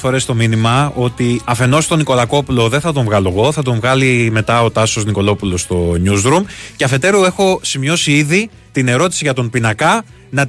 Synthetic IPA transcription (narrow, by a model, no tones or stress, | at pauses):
fo̞ɾe̞st̪o̞minimɐo̞t̪iɐfe̞no̞st̪o̞niko̞lɐko̞pulo̞ðe̞θɐt̪o̞ɱvɣɐloɣo̞θɐt̪̬o̞ɱvɣɐlime̞t̪ɐo̞t̪ɐso̞zniko̞lo̞pulost̪o̞ɲuzɾumceɐfe̞t̪e̞ɾue̞xo̞simɲo̞siiði | t̪ine̞ɾo̞t̪i̥siʝɐt̪o̞mpinɐkɐ | nɐ